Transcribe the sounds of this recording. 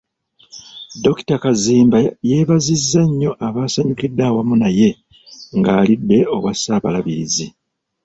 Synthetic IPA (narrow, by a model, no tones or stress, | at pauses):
do̞ki̥takaziːmbaje̞ːβazizːaɲːo̞ʔaβaːsaɲukidːaːwamunaje̞ | ŋɡaːlidːe̞o̞̰wasaːβalaβiɾizi